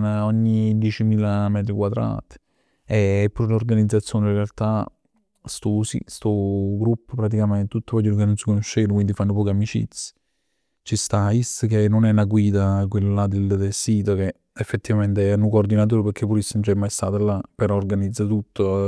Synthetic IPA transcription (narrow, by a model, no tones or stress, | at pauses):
naɔɲːid̪jɛːt͡ʃimiːlamɛːt̪̬ɾikwad̪ɾa̰ːt̪ | eɛpːuɾlorɡanid̪zːat̪sːjoːnirealt̪a | st̪usḭst̪ɔɡɾupːpɾat̪̬ikament̪et̪ut̪ːovɔd͡ʒuɾokenːonsikonoʃːeːvkwind̪ifanːopɔːkamit͡ʃḭt̪si̥ | t͡ʃist̪aiskenːonɛnaɡwiːd̪akwelːalad̪eld̪elsiːt̪oke | efːet̪ːivament̪eɛnukoːrd̪inat̪̬oːɾepeɾkʰːepːuɾisːənnt͡ʃɛmːajst̪aːt̪alapeɾɔːrɡanid̪zːat̪ut̪ʰːo